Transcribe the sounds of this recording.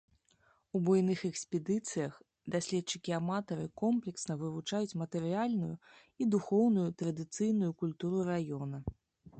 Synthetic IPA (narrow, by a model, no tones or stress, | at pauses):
ubɔjnɨxɛksʲpʲɛd̪ɨt̪sɨjɐx | d̪asʲlʲɛtt͡ʂɨkʲiamat̪ɐɾɨkɔmplʲɛksnɐvɨvut͡ʂajut͡sʲmɐt̪ɛɾɨjalʲnujṵ | id̪uxɔwnujut̪ɾɐd̪ɨt̪sɨjnujukulʲt̪uɾurajɔnɐ